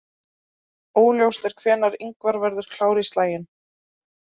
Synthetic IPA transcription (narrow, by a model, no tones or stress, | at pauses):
oːwljowst̪ɛɾ̥kʰvɛːnaɾiŋkvaɾvɛɾðʏɾ̥kʰl̥aːwɾɪst̪laːjɪn